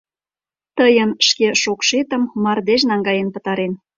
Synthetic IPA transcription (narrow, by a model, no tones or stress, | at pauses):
t̪əjənʃkeʃokʃet̪ə̆mːɑrd̪eʃnɑŋɡɑjenpə̆t̪ɑɾen